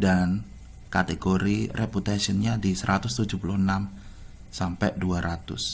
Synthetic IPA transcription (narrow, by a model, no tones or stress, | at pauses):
dan | kat̪eɡoɾireput̪asiənɲadisəɾʔat̪ʊst̪ud͡ʒuhpulʊhənam | sampɛʔduaɾʔat̪ʊ̰s